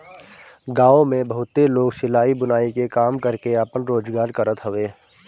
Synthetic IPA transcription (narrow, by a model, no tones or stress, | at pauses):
ɡaːõmẽbəɦʊt̪ːeloːɡsɪlaːibʊnaːikekaːmkəɾkeapənɾoːd͡ʒɡaːɾkəɾət̪ɦoʋeː